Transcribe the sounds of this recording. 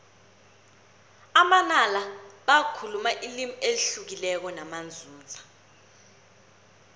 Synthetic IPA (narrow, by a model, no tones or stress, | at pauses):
amanalaɓakʰulumaʔilimueliɬuk̬ilɛk̬ɔnamand͡zʱuːt͡sa